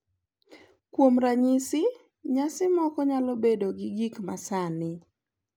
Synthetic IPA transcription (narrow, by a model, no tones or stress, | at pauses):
kwomɾaɲisɪ | ɲasɪmɔkɔɲalɔbedoɡɪɡikmasanɪ